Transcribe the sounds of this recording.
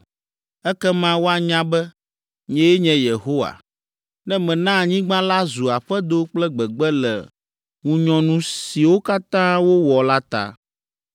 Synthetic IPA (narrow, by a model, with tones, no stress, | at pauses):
ɛ˦kɛ˦mã˦wo˦a˨ɲã˦bɛ˦ | ɲɛ̃˦je˦ɲɛ̃˨je˨ɦo˦wa̰˨ | nɛ̃˦mɛ̃˨nã˦˨ɲĩ˦ɡ͡bã˦la˦zu˨a˨ɸɛ˦d̪o˦k͡plɛ˦ɡ͡bɛ˨ɡ͡bɛ˦lɛ̰˨ | ŋũ˨ɲɔ̃˨nũ˨si˨wo˦ka˦t̪ã˦wo˦wɔ˨la˦t̪a̰˨